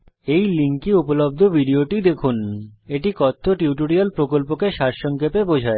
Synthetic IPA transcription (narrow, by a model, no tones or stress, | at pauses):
ejliŋkiupolob̚d̪ʱobʱiɖioʈid̪ekʰuneʈikɔt̪ʰːoʈuuʈ̬oɽialpɾokolpokeʃaʃʃɔŋkepebod͡ʑʱae